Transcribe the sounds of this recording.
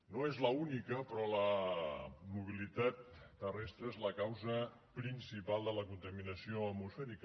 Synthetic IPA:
noezləunikəpɾɔlə | muβ̞ilit̪at̪ːərɛst̪ɾəezləkawzə | pɾinsipalˠd̪ələkunt̪əminəsioəmusfɛɾikə

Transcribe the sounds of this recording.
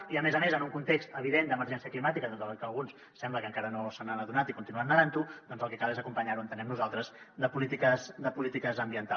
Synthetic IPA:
iəmezəmezənuŋkunt̪ekst̪əβiðend̪əməɾʒɛnsiəklimat̪ikət̪ot̪əkəlˠɣuns | sɛmbləkəŋkaɾənosananəðunat̪ikunt̪inuannəɾant̪ud̪̥ɔnzəlˠkɛkalˠezəkumpəɲaɾuənt̪ənɛmnuzalˠt̪ɾəz | d̪əpulit̪ikəzd̪əpulit̪ikəzəmbiənt̪a

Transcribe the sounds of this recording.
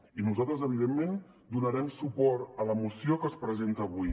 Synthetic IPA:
inuzalˠt̪ɾəzəβ̞iðemːen | d̪unəɾɛmsupɔɾt̪ələmusiokəspɾəzent̪əːβuj

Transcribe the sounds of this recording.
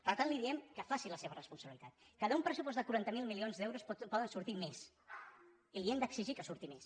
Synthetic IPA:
pəɾt̪anliðiɛmkəfasiləseβərəspunsəβilit̪at̪̚kaðəumpɾəsupɔzd̪əkuɾant̪əmilˠmilionzd̪ɛwɾuspɔðənsuɾt̪imes | iliɛmd̪əksiʒikəsuɾt̪imes

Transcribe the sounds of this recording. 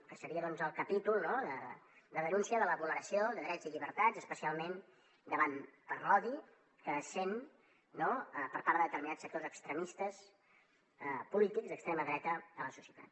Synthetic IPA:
kəsəɾiəðɔnzəlˠkəpit̪ulˠnoðə | d̪əðənunsiəðələβuləɾəsioðəðɾɛziʎiβəɾt̪azəspəsialˠmen | d̪əβanpərɔði | kəsen | noəpəɾpaɾðəðət̪əɾminat͡sssək̚t̪ozəkst̪ɾəmist̪əs | əpulit̪ikzd̪əkst̪ɾeməðɾɛt̪əələsusjət̪a̰t̪

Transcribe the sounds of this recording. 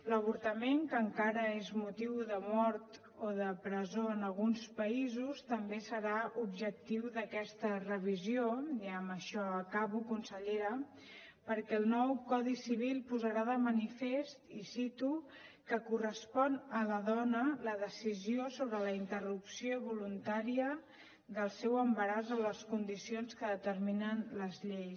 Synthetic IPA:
ləβ̞uɾt̪əmeŋkəːŋkaɾəezmut̪iwðəmɔɾt̪ | oðəpɾəzoənəlˠɣunspəizust̪əmbesəɾaubʒək̚t̪iwðəkɛst̪ərəβ̞izijoiəməʃɔəkaβukunsəʎeɾə | pəɾkɛːlˠnɔwkɔðisiβ̞ilˠpuzəɾaðəmənifest̪isit̪u | kəkurəspɔnələðɔnələðəsiziosoβɾələint̪ərupsioβulunt̪aɾiə | d̪əlˠsɛwəmbəɾazələskund̪isionskəðət̪əɾminənləzʎej

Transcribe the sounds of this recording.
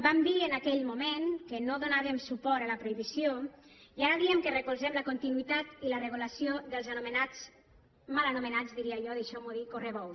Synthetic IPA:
bambiənakɛʎmumenkənoðonaβemsupɔɾələpɾoiβisjoiaɾəðiemkərəkulzɛmləkunt̪inuit̪at̪ilərəɣulasjoðəlˠzanumənat͡s | malanumənad͡zðiɾiaʒɔðiʃɔmuðikoreβɔw

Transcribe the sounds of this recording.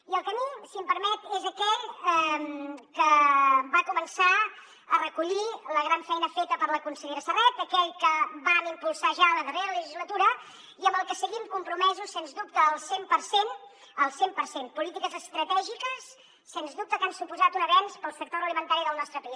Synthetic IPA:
iəlˠkəmisiəmpəɾmɛt̪ezəkɛʎɛmkəbakumənsa | ərəkuʎiləɣɾaɱfɛjnəfet̪əpəɾləkunsəʎeɾəsərɛt̪əkɛʎkəbamimpulˠsaʒaələðəreɾələʒizlət̪uɾə | iəmbəlˠkəsəɣimkumpɾumɛzusːenzdup̚t̪əːəlˠsempəɾsen | əlˠsempəɾsenpulit̪ikəzəst̪ɾət̪ɛʒikəsː | enzd̪up̚t̪əkansupuzat̪unəβɛnspəlˠsək̚t̪oɾəlimənt̪aɾiðəlˠnɔst̪ɾəpi

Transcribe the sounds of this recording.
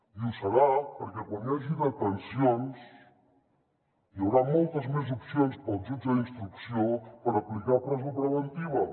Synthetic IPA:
iusaɾapoɾkekwãnd̪aziðak̪ensjons | iaβɾamolt̪azmes̬opsjonspat͡ʃut͡ʃainst̪ɾuksjoŋpaɾaplikaɾpɾazapɾeβent̪iβa

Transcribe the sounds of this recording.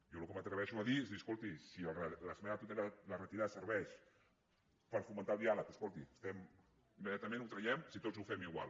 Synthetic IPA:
jɔlukəmət̪ɾəβɛʃuɐðiezðiəskolˠt̪isiəlrələsmɛnət̪ut̪ɛlalərət̪iðasəɾβɛʃ | pəɾfumənt̪alˠd̪ialək̪əskolˠt̪iəst̪ɛm | imːəðjat̪əmẽnut̪ɾəjɛmsit̪ot͡szufɛmiɣwa̰l

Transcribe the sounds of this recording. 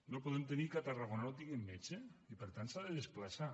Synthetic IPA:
nopoðɛmt̪enikat̪araɣonawt̪iɣemːet͡ʃeipəɾt̪ansaðeðesplasa

